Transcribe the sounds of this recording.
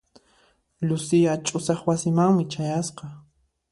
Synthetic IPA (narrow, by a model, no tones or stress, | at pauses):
ʎʊsɪjat͡ʃʼʊsɑχwasɪmaŋmɪt͡ʃajasqɑ